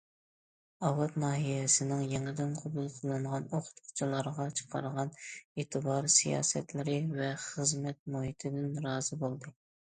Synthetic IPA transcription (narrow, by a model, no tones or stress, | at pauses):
ɑwɑt̪nɑːɦijɛsɪnɪŋjeŋɪd̪ɪnqʰobulˠqʰəlˠɨɴʁɑnoχʊ̥t̪qʰʊ̥t͡ʃʰilˠɑɾʁɑt͡ʃʰə̥qʰɑ̰ɾʁɑneːt̪ʰɨbɑɾsijɑ̰ːsɛ̰t̪lɪɾɪvɛχəzmɛt̪̚muɦit̪ʰɪd̪ɪnɾɑːzɨbolˠd̪ɨ